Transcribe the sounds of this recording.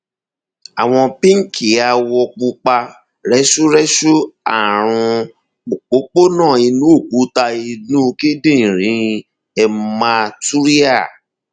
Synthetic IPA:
a˨w̃ɔ̃˧pĩ˦ŋ̩˦˨kʰi˨˦a˧wɔ˧k͡pu˧k͡pa˧ | ɾɛ˦ʃu˦ɾɛ˦ʃu˦a̰˦˨ɾ̃ũ˧ | o˨k͡po˨˦k͡po˦nãː˦˨i˧nũ˨˦o˦˨k͡pu˨˦ta˧i˧nũ˦ki˦dĩ˦˨ɾ̃ĩ˨˦ | ɛ˧ma˧tu˦ɾi˦a˦˨

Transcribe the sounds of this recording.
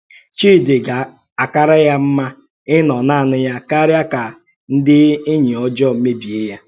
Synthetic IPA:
t͡ʃiː˦˨dɪ˨ɡa˨ | a˨ka˦ɾa˦ja˦m̩˦ma˦ | ɪ˦nɔ˨na˦˨nʊ˦ja˦ka˦ɾja˦ka˨ | n̩˦dɪ˦ɪ˦ɲi˨ɔ˦d͡ʒɔ˦˨m̩˦me˦bi˨e˦ja˦

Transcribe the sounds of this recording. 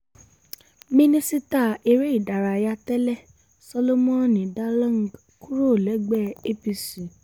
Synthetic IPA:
mĩ˦nĩ˦si˦ta˦˨e˧ɾe˦i˦˨da˨ɾa˧ja˧˦tɛ˦lɛ˦˨ | sɔ˧lo˦mɔ̃˦˨nĩ˨da˦lã˦ŋ˨ | ku˦ɾo˦˨lɛ˨˦ɡ͡bɛ˦˨e˦pi˧si˨

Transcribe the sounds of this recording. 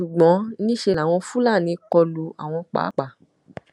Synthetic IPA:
ʃu˨ɡ͡bɔ̃˨˦nĩ˦ʃe˧la˨w̃ɔ̃˧fu˦la˦˨nĩ˧kɔ˧lu˨˦a˨w̃ɔ̃˧k͡pa̰˨˦k͡pa˦˨

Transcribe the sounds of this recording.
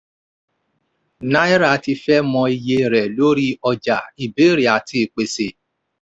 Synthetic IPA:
nã˦i˦ɾa˦˨ti˧fɛ˦mɔ̃˧i˧je˧ɾɛ˨lo˦ɾi˦ɔ˧d͡ʒa˨i˨be˨˦ɾi˨a˨ti˦˨k͡pe˨se˨

